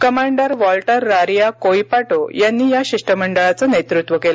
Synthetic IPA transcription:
kəmaɳɖəɾʋɔlʈəɾːaɾjakojpaʈojanːiːjaɕiʂʈəməɳɖəɭat͡sanet̪ɾut̪ʋəkela

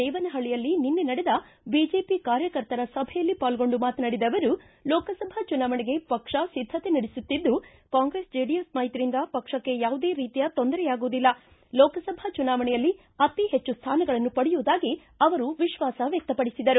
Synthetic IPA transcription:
ɛːʋɐnɐɦɐɭijɐlːininːenɐɽed̪ɐ | biːd͡ʒe̞ːpikaːɾjɐkɐɾt̪ɐɾɐsɐbʱɛjɐlːipaːlɡo̞ɳɖumaːt̪nɐɽid̪ɐʋɐɾu | lɔːkɐsɐbʱɐt͡ʃunaːʋɐɳɛɡe̞pɐkʂɐsid̪ʱːɐt̪e̞nɐɽisut̪ːid̪ːu | kaːŋɡɾe̞ːsd͡ʒeːɖijɐsmaːjit̪ɾind̪ɐpɐkʂɐkːe̞jaːʋud̪e̞ːɾiːt̪ijɐt̪o̞nd̪ɐɾɛjaːɡuːd̪ilːɐ | lɔːkɐsɐbʱɐt͡ʃunaːʋɐɳɛjɐlːi | ɐt̪iɦet͡ʃːust̪ʰaːnɐɡɐɭɐnːupɐɽɛjuːd̪aːɡi | ɐʋɐɾuʋiʃʋaːsɐʋjɐk̚t̪ɐpɐɽisid̪ɐɾu

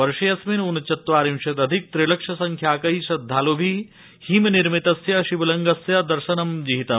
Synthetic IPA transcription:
ʋɐɾʃijɐsminunɐt͡ʃɐt̪ʋaːɾimʃɐt̪ɐd̪ʱik̚t̪ɾilɐkʂɐsɐŋkʰjaːkɐiʃɐd̪ʱːaːlobʱi | himniɾmit̪ɐsjɐʃibɐlɐŋɡɐsjɐd̪ɐɾʃɐnɐmd͡ʒiɦit̪ɐ

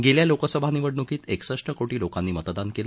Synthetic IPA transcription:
ɡeljalokəsəbʱaniʋəɽnukiːt̪eksəʂʈəkoʈiːlokanːiːmət̪əd̪ankelə

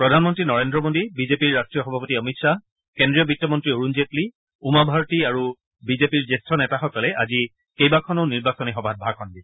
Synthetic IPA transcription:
pɹɔdʱanmɔntɹinɔɹendɹɔmodibizepiɹːastɹijɔxɔbʱapotiɔmitsa | kendɹijɔbitːɔmɔntɹioɹunzetli | umabʱaɹɔtiaɹu | bizepiɹzestʰɔnɛtaxɔkɔlɛʔazi | kejbakʰɔnoʊniɹbasɔnixɔbʱat̚bʱakʰɔndi

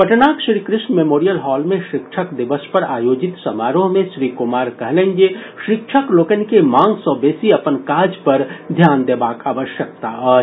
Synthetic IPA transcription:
pəʈnakʃɾikɾɪsnmemoɾijəlɦɔlmẽʃɪkt͡ʃʰəkd̪ibəspəɾajod͡ʒit̪səmaɾoɦmẽsɾikumaɾkəɦlə̃nd͡ʒe | ʃɾɪkt͡ʃʰəklokənkemãŋɡsə̃besiəpənkad͡ʒpəɾd̪ʱjand̪ebakaʋəʃjək̚t̪aə

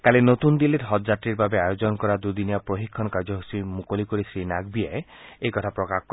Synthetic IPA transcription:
kalenot̪und̪ilitɦɔd͡ʒatɾiɾbabeajod͡ʒɔnɔkɔɾad̪ud̪inijapɾoɦikʰːɔnkaɾd͡ʒɔɦusimukolikoɾisɾinaɡbiae | ejkɔt̪ʰapɾɔkak

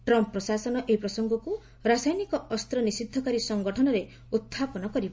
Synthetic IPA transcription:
ʈɾɔmpːɾɔsasɔnɔʔeipɾɔsɔŋɡɔku | ɾasajnikɔɔst̪ɾɔnisid̪ʱːɔkaɾisɔŋɡɔʈʰɔnɔɾe | ut̪ʰːapɔnɔkɔɾibɔ

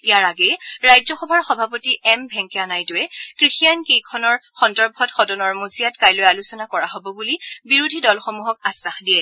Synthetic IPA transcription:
ijaɹaɡɛjɹajzɔxɔbʱaɹxɔbʱapotiʔɛmbʱɛŋkɛanajtʊɛkɹixijankejkʰɔnɔɹxɔndɔɹbʱɔtxɔdɔnɔɹmoziatkajlojalusɔnakɔɹaɦobɔbulibiɹudʱidɔlxomuɦɔkasaxdiɛ

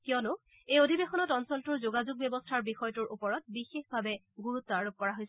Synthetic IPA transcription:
kijɔnʊ | ejodʱibexɔnɔtɔnsɔltuɹzoɡazuɡ̚bjɛbɔstʰaɹbixɔjɔtuɹʔupɔɹɔt̚bixexbʱabɛ | ɡuɹut̪ːɔaɹop̚kɔɹaɦojs

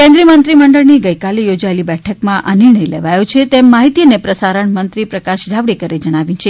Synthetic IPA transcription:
kɛ̃nd̪ɾiəmənt̪ɾiməɳɖəɭniɡəjkalejod͡ʒaelibɛʈʰəkmãʔʔanɪɾɳəjleʋajot͡ʃʰet̪emːaɦit̪ijənepɾəsaɾəɳmənt̪ɾipɾəkaʃd͡ʒʱaʋɽikəɾed͡ʒəɽ̃aʋjĩt͡ʃʰe

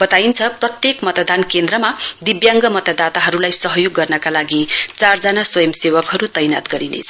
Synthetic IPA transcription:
bʌt̪aint͡sʰʌprʌt̪jekmʌt̪d̪ankend̪rʌmad̪ibjaŋɡʌmʌt̪ʌd̪at̪aɦʌɾulajsʌɦʌjoɡːʌrnʌkalaɡit͡sard͡zanaswʌjʌmsewʌkɦʌɾut̪ʌjna̰t̪ɡʌɾinḛt͡sʰʌ

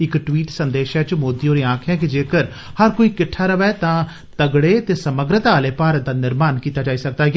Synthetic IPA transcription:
ɪkʈʋiːʈsənd̪eːʃɛːt͡ʃmoːd̪iːoːɾeːãːkʰɛ̃ːk̬ɪd͡ʒeːkəɾ | həɾkoːiːkɪʈʰːaːɾəʋɛːt̪ãː | t̪əɡɽeːt̪eːsəməɡɾət̪aːleːpaːɾət̪̚d̪aːnɪɾmaːnkiːt̪aːd͡ʒaːiːsək̚d̪aːɡ

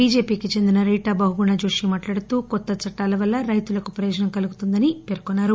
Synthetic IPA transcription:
biːd͡ʒe̞ːpiːkit͡ʃe̞nd̪inɐɾiːʈaːbɐɦuɡuɳɐd͡ʒoːʂimaːʈlaːɽut̪uːkɔt̪ːɐt͡ʃɐʈːaːlɐʋɐlːɐɾɐjt̪ulɐkupɾɐjɔːd͡ʒɐnɐmkɐluɡut̪und̪ɐnipeːɾkonːaːɾu

